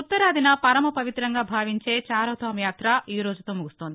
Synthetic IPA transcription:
ut̪ːɐɾaːd̪inɐpɐɾɐmɐpɐʋit̪ɾɐŋɡaːbʱaːʋiɲt͡ʃe̞ːt͡ʃaːɾɐːt̪ɐːmjaːt̪ɾɐiːɾoːd͡ʒut̪o̞ːmuɡust̪oːnd̪i

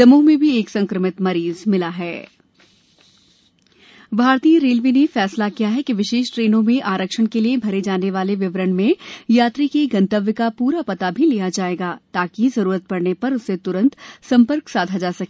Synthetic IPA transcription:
ɐmõmẽbʱieːksɐ̃ŋkɾəmɪt̪mɐɾiːzmɪlaɦɛː | bʱaːɾt̪ijə̃ɾeːlʋinefɛːslakijaɦɛkiʋɪʃeːʃʈɾeːnõmẽʔaːɾəkʃənkeliebʱɐɾed͡ʒaːneʋaːleʋɪʋɾəɳmẽjaːt̪ɾikeɡɐ̃nt̪əʋjəkapuːɾapɐt̪abʱilijad͡ʒaːeːɡaːt̪aːkizɐɾuːɾət̪̚pɐɾnepɐɾʊset̪ʊɾə̃nt̪sɐ̃mpəɾksaːd̪ʱad͡ʒaːsɐk

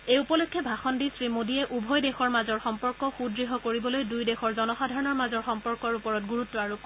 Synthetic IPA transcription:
eupɔlokʰːjɔbʱaxɔndisɹimodiɛʔubʱɔjdexɔɹmazɔɹxɔmpɔɹkɔxudɹiɦɔkoɹibɔlojdujdexɔɹzɔnɔxadʱaɹɔnɔɹmazɔɹxɔmpɔɹkɔɹupɔɹɔt̚ɡuɹutːɔaɹu

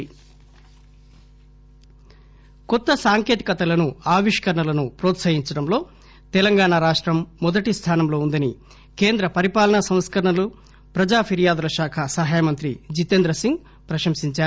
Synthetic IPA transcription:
kɔt̪ːɐsaːŋkeːt̪i̥kɐt̪ɐlɐnuaːʋiʂkɐɾɐɳɐlɐnupɾoːt̪sɐjiɲt͡ʃɐɽɐmlo̞ː | t̪ɛlɐŋɡaːɳaɾaːʂʈɾɐmːɔd̪ɐʈist̪ʰaːnɐmlo̞ːund̪ɐni | keːnd̪ɾɐpɐɾipaːlɐnɐsɐ̃m̃skɐɾɐɳɐlu | pɾɐd͡ʒaːpʰiɾijaːd̪ulɐʃaːkʰɐsɐɦaːjɐmɐnt̪ɾid͡ʒit̪end̪ɾɐsiŋɡ | pɾɐʃɐmsiɲt͡ʃaː

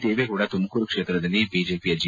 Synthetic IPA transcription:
t̪eːʋekuɽat̪uməkuɾkʂeːt̪ɾɐd̪ɐlːibid͡ʒepijɐd͡ʒi

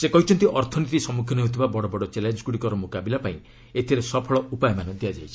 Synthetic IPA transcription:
sekɔɦit͡ʃʰɔnt̪iʔɔɾt̪ʰɔnit̪isɔmukʰjɔniɦot̪ʰibabɔɽɔbɔɽɔt͡ʃelend͡ʒɔɡuɽikɔɾɔmokabilapaĩ | et̪ʰiɾesɔpʰɔɭɔupajmanɔ̃d̪iad͡ʒa̰jt͡ʃʰi̥

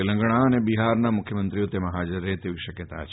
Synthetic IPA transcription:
elə̃ŋɡɽ̃aənebiɦaɾnamʊkʰjəmənt̪ɾijot̪emãɦad͡ʒəɾet̪eʋiʃəkjət̪a̰t͡ʃʰ

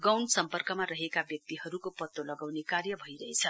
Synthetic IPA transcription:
ɡʌwnsʌmpʌrkʌmaɾʌɦekabjʌk̚t̪iɦʌɾukopʌt̪ːolʌɡawnekarjʌbʱʌiɾʌɦet͡sʰʌ

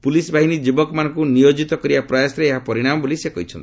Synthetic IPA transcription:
ipulisbʱaɦinid͡ʒibɔkɔmanɔ̃ŋkunijod͡ʒit̪ɔkɔɾibapɾɔjasɾeːɦapɔɾiɽ̃amɔbolisekɔɦit͡ʃʰɔnt̪i

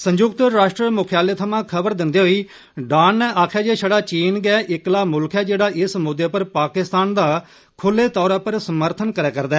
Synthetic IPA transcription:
sə̃ɲd͡ʒʊkt̪ɾaːʃʈɾəmʊkʰjaːleːt̪ʰəmãːkʰəbəɾd̪ɪnd̪eːɦoiː | ɖaːnːɛːʔaːkʰjaːd͡ʒeːʃəɽaːt͡ʃiːnɡɛːʔɪklaːmʊlkʰɛːd͡ʒeːɽaːʔɪsmʊd̪ːeːpəɾpaːkɪst̪aːnd̪aː | kʰʊlːeːt̪ɔːɾãːpəɾsəməɾt̪ʰənkəɾɛːkəɾd̪ɛː

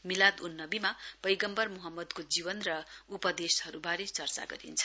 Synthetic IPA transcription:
milad̪unːʌbimab̥ʌjɡʌmbʌrmuɦʌmːʌd̪kod͡ziwʌnrʌupʌd̪eshʌɾubaɾet͡sʌrt͡sa̰ɡʌ̰ɾḭnt͡sʰʌ̥

